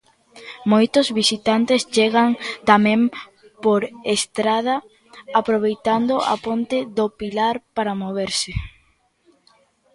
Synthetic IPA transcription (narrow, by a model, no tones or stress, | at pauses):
mojt̪ʊzβisit̪ant̪est͡ʃeɣaŋt̪amẽm | poɾest̪ɾað̞ɐ | apɾoβ̞ejt̪and̪oa̰pont̪eðopilaɾpaɾamoβeɾsɪ